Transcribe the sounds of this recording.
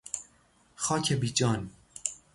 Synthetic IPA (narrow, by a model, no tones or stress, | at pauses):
xɑːkʰebiːd͡ʒɑːn